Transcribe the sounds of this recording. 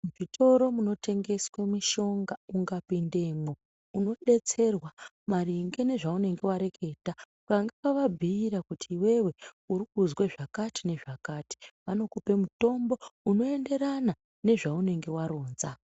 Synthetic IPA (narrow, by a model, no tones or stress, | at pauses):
muʐitʰo̞ɾo̞muno̞tʰe̞ŋɡe̞swemiʃo̞ŋɡauŋɡapinde̞mo̞ | uno̞ɗe̞t͡se̞rwa | mariŋɡe̞ne̞ʐaune̞ŋɡe̞waɾe̞kʰe̞taukaŋɡakaʋab͡vʱiːɾakutʰiːwe̞we̞uɾikuzweʐakati̥ne̞ʐakati̥ʋano̞kupe̞muto̞mbo̞uno̞e̞nde̞ɾana | ne̞ʐaune̞ŋɡe̞waɾo̞ːnza